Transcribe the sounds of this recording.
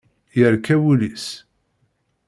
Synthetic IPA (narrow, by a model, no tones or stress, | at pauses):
jəɾkːæwulis